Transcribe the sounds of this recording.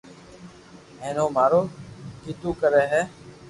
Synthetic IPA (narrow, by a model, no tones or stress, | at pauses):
ẽːnoːmaːɾoːkiːt̪ũːkəɾeːɦɛː